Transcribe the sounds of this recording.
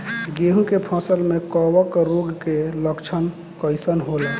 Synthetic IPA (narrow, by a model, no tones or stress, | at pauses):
ɡeɦũkepʰə̃səlmekɔwəkɾoɡkeləkt͡ʃʰən | kəɪsənɦolə